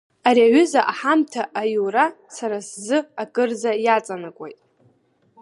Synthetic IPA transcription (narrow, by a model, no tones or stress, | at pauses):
aɾiaɥʏzaʔaħamtʰaʔajura | saɾaszɨakʼɨrzajat͡sʼanɨkʷʼḛjtʼ